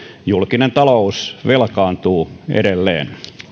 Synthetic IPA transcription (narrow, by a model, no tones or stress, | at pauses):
julkinent̪ɑlousʋelkɑːnt̪uːḛɾelːḛːn